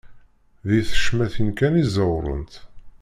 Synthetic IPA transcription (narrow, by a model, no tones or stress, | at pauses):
ðiθə̥ʃmæθənkænizəwɾˤə̰nt̪